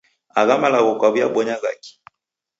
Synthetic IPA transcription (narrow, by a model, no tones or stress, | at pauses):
aɣamalaɣɔkwaβiaɓɔɲaɣa̰ki̥